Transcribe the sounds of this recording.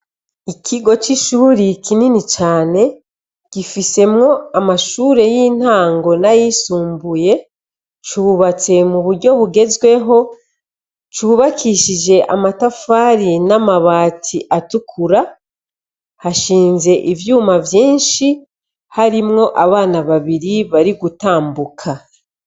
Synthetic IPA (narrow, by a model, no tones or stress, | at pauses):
ikʰiɡo̞t͡ʃiʃuɾikʰininit͡ʃaːne̞ | ɡ̥ifise̞mŋo̞amaʃuːɾe̞jiːn̥haːŋɡo̞najisuːmbuje̞ | t͡ʃuβat͡se̞muβuɾɟo̞βuɡe̞zɡwe̞ɦo̞ | t͡ʃuːβakʰiʃiʒe̞ʔa̰matafaːɾinamaβaːtʰiʔatukʰuɾa | haʃiːnze̞ʔivjuːmavjiːnʃi | haɾimŋo̞ʔaβaːnaβaβiɾiβaɾiɡutaːmbukʰa